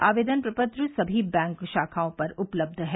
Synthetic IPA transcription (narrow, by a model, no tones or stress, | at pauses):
aːʋeːd̪ənpɾɐpət̪ɾusɐbʱibɛ̃ːŋkʃaːkʰaːõpɐɾʊpləb̚d̪ʱɦɛː